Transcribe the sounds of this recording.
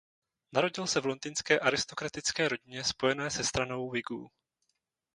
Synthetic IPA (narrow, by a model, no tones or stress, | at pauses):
naɾo̞ɟɪlsɛvlo̞nd̪inskɛːʔaɾɪst̪o̞kɾat̪ɪt͡skɛːɾo̞ɟɪɲɛspo̞jɛnɛːsɛst̪ɾano̞wvɪɡṵː